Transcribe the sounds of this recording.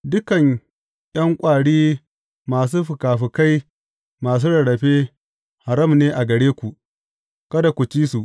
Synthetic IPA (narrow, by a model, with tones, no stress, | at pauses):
dʊ˦kɐ˨ɲ | j̰ɐ˦ŋkʷʼaː˨ɽiː˦ | maː˨s̬uː˦ɸʊ˨kaː˨ɸɪ˨ka˦j | maː˨s̬uː˦ɽɐ˨ɽɐ˨ɸeː˦ | ha˨ɾɐ˦˨mneː˦ʔa˨ɡɐ˨ɽeː˦kʷu˨ | kɐ˦da˨kʷu˨t͡ʃiː˦su˨ʔ